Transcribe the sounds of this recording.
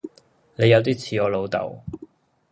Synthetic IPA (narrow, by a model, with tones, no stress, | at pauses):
ne˨˧jɐ˧wt̪̬iː˥t͡sʰiː˨˧ɔː˨˧lo˨˧wt̪ɐ̰˨˩w